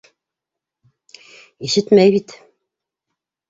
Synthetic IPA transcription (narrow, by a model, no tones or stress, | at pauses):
iʃɘt̪mæjβbit̪